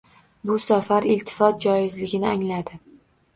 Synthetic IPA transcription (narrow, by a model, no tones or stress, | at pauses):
bʊsafaɾɪlt̪ʰɪ̥fɒt̪̚d͡ʒɒjɪzlɪɡʲɪnɪaŋlad̪ɪ